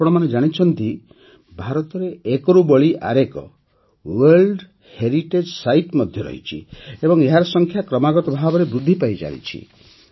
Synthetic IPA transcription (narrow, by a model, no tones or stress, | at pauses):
ɔɽ̃ɔmaned͡ʒaɽ̃it͡ʃʰɔnt̪i | bʱaɾɔt̪ɔɾeekɔɾubɔɭiʔa̰ɾekɔ̰ | weɾlɖ | heɾiʈed͡ʒsajʈmɔd̪ʱjɔɾɔ̰ɦḭt͡ʃʰḭebɔŋeɦaɾɔsɔŋkʰjakɾɔmaɡɔt̪ɔbʱabɔɾebɾud̪ʱːipajd͡ʒa̰ɽḭt͡ʃʰḭ